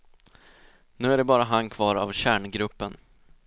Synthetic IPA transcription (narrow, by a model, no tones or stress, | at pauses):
nʉ̟ːæɖɛbɑːɾaɦankʰv̥ɑːɾa̰vɕæːɳɡɾɵpːən